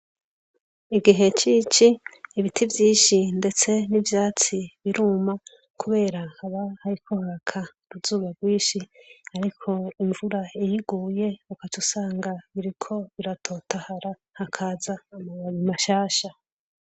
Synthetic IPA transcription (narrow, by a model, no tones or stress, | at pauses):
iɡiɦe̞t͡ʃit͡ʃiːβitʰivjiːʃinde̞t͡se̞nivjaːt͡siβiɾuːma | kuβe̞ːɾahaβahaɾikʰo̞hakʰa | ɾuzuːɡaɡwiːʃiaɾikʰo̞iɱvuɾaijiɡuːje̞ukat͡ʃusaːŋɡaβiɾikʰo̞βiɾatʰo̞ːtʰahaɾa | hakʰaːzaːmaaβimaʃaːʃa